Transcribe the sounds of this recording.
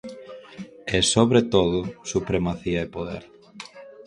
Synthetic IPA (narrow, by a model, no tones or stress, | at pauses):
ɛsoβɾet̪oðʊsupɾemaθiaepoðḛɾ